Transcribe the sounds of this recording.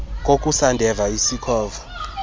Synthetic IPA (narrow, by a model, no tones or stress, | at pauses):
kʼokʼusandʱɛvaisikʰɔːva